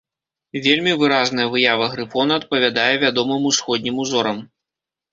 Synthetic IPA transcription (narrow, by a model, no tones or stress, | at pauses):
vʲelʲmʲivɨɾaznɐjɐvɨjavɐɣɾɨfɔnɐɐt̪̚pɐvʲad̪ajɛvʲad̪ɔmɨmusxɔd̪ʲnʲimuzɔɾɐm